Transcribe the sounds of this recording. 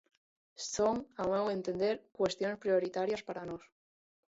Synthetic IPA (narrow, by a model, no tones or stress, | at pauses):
soŋawewent̪e̞nd̪eɾkwe̞st̪jo̞nespɾio̞ɾit̪aɾjaspaɾanos